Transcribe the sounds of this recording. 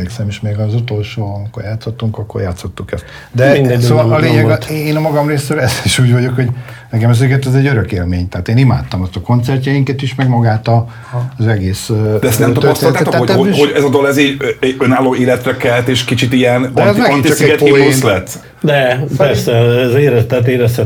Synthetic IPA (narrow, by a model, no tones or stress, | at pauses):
eːksɛmiʃmeːɡɒzut̪o̞lʃoːɒmiko̞rjaːt̪sot̪ːuŋkɒkːo̞rjaːt̪sot̪ːukɛst̪ | d̪ɛmind̪ɛsoːvɒlːleːɲɛɡt̪eːnɒmɒɡɒmreːsøɾɛziʃuːɟvɒɟo̞kho̞ɟ | nɛkɛmɛzøːkɛt̪ɛzɛɟøɾøkḛːlmeːɲt̪ɛːt̪eːnima̰ːt̪ːɒmɒst̪ɒko̞nt̪sɛrcɛjiŋkɛt̪iʃmɛɡmɒɡaːt̪ɒ | zɛɡeːsd̪ɛɛsnɛmt̪ɒøpɔst̪eɔlt̪at̪oaːoɛɦoɟɛzɒd̪olɛziːønaːlːoːeːlɛt̪ɾɛkɛlt̪eːʃkit͡ʃit̪ijɛnɔzɛiskɛt̪iest̪lɛt̪ː | d̪ɛpɛrsɛɛzeːɾɛt̪ɛt̪eːɾɛst̪ɛ